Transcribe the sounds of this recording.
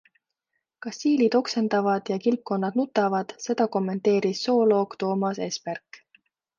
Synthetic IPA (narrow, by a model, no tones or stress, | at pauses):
kɑsiːlid̪̥o̞kse̞nd̪ɑvɑd̪̥jɑkilp̚kːo̞nːɑd̪̥nut̪ːˑɑvɑd̪̥se̞d̪̥ɑko̞mːe̞nt̪e̞ːɾisːo̞ːlo̞ːkt̪o̞ːmɑse̞ːsperk